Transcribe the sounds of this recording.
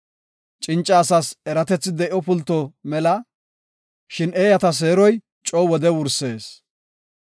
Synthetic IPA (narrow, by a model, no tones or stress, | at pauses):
t͡ʃʼɪnt͡ʃʼːaːsasɛɾɐt̪ɛt͡sːɪd̪ɛʔɔpʊlt̪ːɔmɛlɐ | ʃɪneːjɐt̪ɐs̬e̞ːɾɔj | t͡ʃʼɔːwɔd̪ɛwʊɾse̞ːs